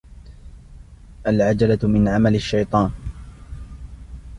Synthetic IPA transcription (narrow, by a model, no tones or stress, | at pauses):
ʔalʕad͡ʒalamɪnʕamalaʃːajt̪ˤɑːn